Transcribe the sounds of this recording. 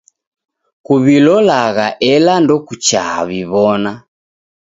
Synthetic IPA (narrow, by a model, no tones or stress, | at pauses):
kuβilɔlaɣaʔɛlandɔkut͡ʃaa̰βiβɔna